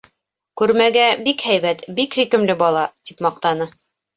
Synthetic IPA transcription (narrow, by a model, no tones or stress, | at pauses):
kʉɾmæɡæbikhæjβæt̪bikhɵkɘ̆mlɘbɑlˠɑt̪ipmɑq̚t̪ɑnɤ